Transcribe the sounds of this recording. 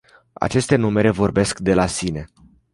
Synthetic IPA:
a̰t͡ʃe̞st̪e̞nume̞ɾe̞vo̞rbe̞skd̪e̞lasine̞

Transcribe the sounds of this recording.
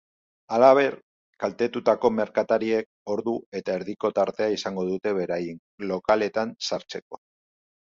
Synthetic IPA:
alaβ̞e̞ɾ | kalt̪e̞t̪ut̪ako̞me̞ɾkat̪aɾie̞k̚o̞ɾðue̞t̪aeɾðiko̞t̪aɾt̪e̞aisaŋɡo̞ðut̪e̞βe̞ɾajin | lo̞kale̞t̪ansaɾt͡se̞ko̞̥

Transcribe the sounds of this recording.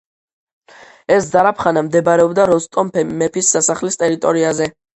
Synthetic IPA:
ɛsd̪zaɾapʰχanamd̪ɛbɾɛɔbd̪aɾɔst̪ʼɔmpʰɛmɛpʰisːasaχlist̪ʼɛɾit̪ʼɔɾiazɛ

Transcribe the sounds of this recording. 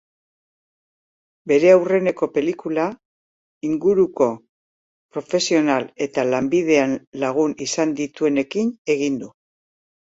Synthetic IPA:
be̞ɾe̞awre̞ne̞ko̞pe̞likula | iŋɡuɾuko̞ | pɾo̞fe̞sio̞nale̞t̪alambiðe̞anlaɣ̞unisand̪it̪ue̞ne̞kine̞ɣind̪u

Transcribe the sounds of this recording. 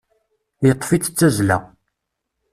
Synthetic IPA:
jət̪ˤːfit͡sːt͡sːæzlæ̰

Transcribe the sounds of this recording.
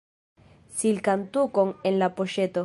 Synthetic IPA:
silkant̪ukoŋenlapoʃet̪o

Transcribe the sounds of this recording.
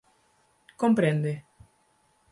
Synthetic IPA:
kompɾẽnd̪e

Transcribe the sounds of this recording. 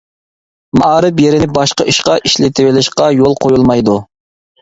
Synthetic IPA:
mɑɑːɾɨpjeɾɪnɪbɑʃqɑʔiʃqɑʔiʃlɪt̪ʰɪwɪlɪʃqɑjolˠqʰojulˠmɑjd̪u

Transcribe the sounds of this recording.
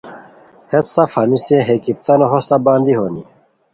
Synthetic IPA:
het̪sɐfhɐniseɦekip̚t̪ʰɐnoɦost̪abaːnd̪iɦoni

